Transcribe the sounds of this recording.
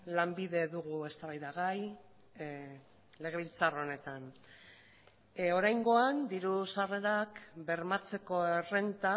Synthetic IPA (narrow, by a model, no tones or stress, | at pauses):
lambiðe̞ðuɣue̞st̪aβajðaɣaj | le̞ɣ̞e̞βilt͡saro̞ne̞t̪an | o̞ɾajŋɡo̞and̪iɾusare̞ɾakbe̞ɾmat͡se̞ko̞ere̞nt̪a